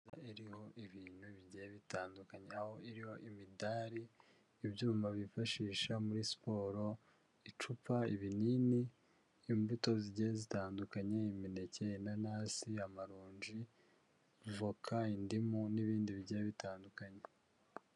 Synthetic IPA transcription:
aiɾiho̞ʔiβiːn̥huβiɾɟejβitaːndukaɲeaho̞iɾiho̞ʔimidaɾiː | bɟuːmaβifaʃiːʃamuɾisi̥po̞ːɾo̞ | it͡ʃupaiβiniːniː | mbuto̞ziɾɟejezitaːndukaɲe̞imine̞ce̞jenanaːsiamaɾoːɲʒi | vokʰaindimuniβiːndiβiɟejeβitaːndukaɲe̞

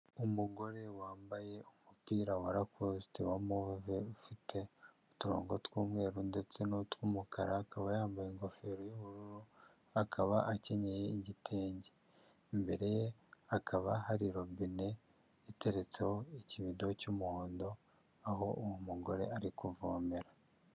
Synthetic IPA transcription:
umuɡo̞ɾe̞waːmbaje̞umupiːɾawaɾakositewamoveufitʰe̞utuɾo̞̰ːŋɡo̞twuːmŋe̞ːɾunde̞t͡se̞notwumukaɾaːkaβajaːmbajeŋɡo̞fe̞ːɾojuβuɾuɾu | akʰaβaʔace̞ɲejeiɟitʰeːɲɟe | mbe̞ɾe̞jeakʰaβahaɾiɾobine̞ | ite̞ɾe̞t͡seho̞iciβido̞cumuhoːndo̞ | aho̞ʔuwumuɡo̞ɾe̞̰aɾikuvoːmeɾa

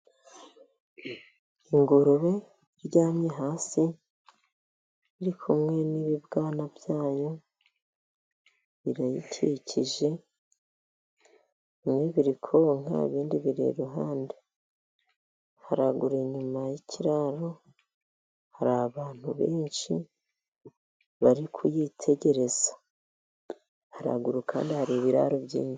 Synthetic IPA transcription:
iŋɡoɾoβe̞ | ɾɟaːmɲe̞ɦaːsi | βiɾikʰumŋe̞niβibɡaːnavjaːjo̞ | βiɾajitʰicʰiʒe̞ | imŋeβiɾikʰo̞ŋa̰βiːndiβiɾḛɾuɦaːnde | haɾaɡuɾeɲumajicʰiɾaɾo̞ | haɾaaβaːn̥huβeːnʃi | βaɾikʰujitʰe̞ɟe̞ɾe̞z̥a | haɾa̰ɡuɾukʰaːndihaɾiβiɾa̰ɾubɟḭːno

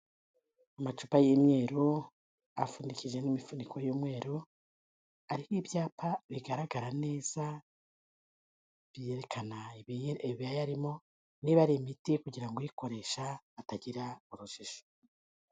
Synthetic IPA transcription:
amat͡ʃupajimɲe̞ːɾu | a̰fundikid͡ʒe̞nimifunikʰojuːmŋe̞ːɾu | aɾihibjaːpʰaβiɡaɾaɡaɾane̞ːz̥a | β̥ijeɾekʰana | βijajaɾimo̞ | niβaɾimitikuɟiɾaŋɡojiko̞ɾe̞ːʃaːtaɟiɾauɾuʃiʃo̥

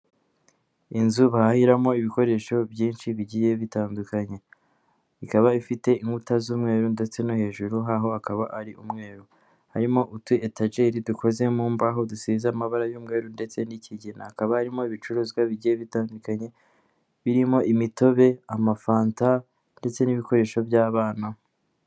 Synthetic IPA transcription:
inzuβaahiɾamo̞iβiko̞ɾe̞ʃo̞bjiːnʃiβiɟije̞βitaːndukaɲe̞ | ikaβaifite̞iŋɡutazuːmŋe̞ːɾunde̞t͡se̞nohe̞ːʒuɾuɦaɦo̞akaβaʔaɾiʔumŋe̞ːɾu | haɾimo̞ʔutwietaʒe̞ɾiduko̞ze̞muːmbaɦo̞dusiːzamaβaɾajuːmŋe̞ːɾunde̞t͡se̞nicʰiɟinaːkaβahaɾimo̞iβit͡ʃuɾuːzɡwaβiɟijeβitaːndukaɲe̞ | βiɾimo̞ʔimito̞βe̞amafaːnta | nde̞t͡se̞niβiko̞ɾe̞ːʃo̞bjaːβaːna

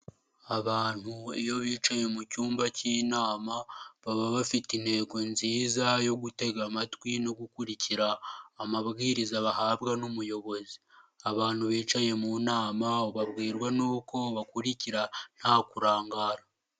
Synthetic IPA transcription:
aβaːn̥huḭjo̞βiːt͡ʃaje̞mucuːmbaciːnaːmaβaβaβafitinhe̞ːɡo̞nziːzajo̞ɡute̞ɡamatwino̞ɡukuɾicʰiɾaːmaβɡiːɾizaβahaːβɡanumujo̞βo̞ziaβaːn̥huβiːt͡ʃaje̞munaːmaoβaβɡiːɾɡwanuːko̞βakuɾiciɾan̥haːkuɾaːŋɡaːɾa

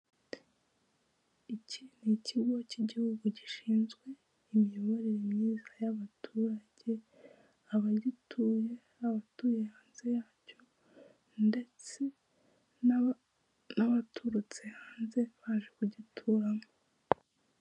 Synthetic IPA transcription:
icʰiniciɡociɟihuɡuɟiʃiːnzɡwe̞ | imijo̞βo̞ɾeɾemɲiːzajaβatʰuːɾaɟe̞ | aβaɟitʰuje̞ | aβatuːje̞haːnze̞jaːco̞ | nde̞t͡se̞ | naβatʰuɾut͡sihaːnze̞βaːʒekuɟitʰuːɾamo

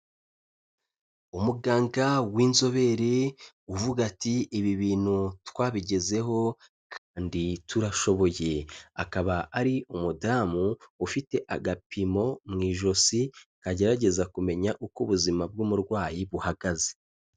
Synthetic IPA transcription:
umuɡaːŋɡawiːnzo̞βe̞ɾe | uvuɡatiːβiβiːn̥hutwaːβiɟe̞ze̞ɦo̞ | kʰaːndituɾaʃo̞βo̞je̞akaβaaɾiumudaːmuːfite̞ʔaɡapimo̞mŋiːʒo̞sikaɟe̞ɾaɟe̞zakume̞ɲaʔukuβuzimab̚ɡumuɾɡwaːjiβuhaɡaze̞

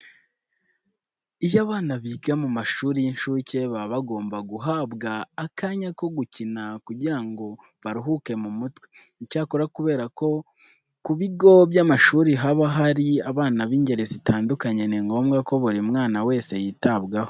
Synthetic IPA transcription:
ijaβaːnaβiːɡamumaʃuːɾinʃuce̞βaβaɡo̞ːmbaɡuɦaːbɡaːkaːɲako̞ɡucinakuɟiɾaŋɡo̞ | βaɾuɦuke̞mumutwe̥ | icaːkoɾakuβe̞ːɾako̞ | kuβiɡo̞βjamaʃuːɾiɦaβaɦaɾiaβaːnaβiːɲɟe̞ɾezitʰaːndukaɲeniŋɡo̞ːmɡako̞βuɾimŋaːnawe̞ːse̞jiːtaβɡaho

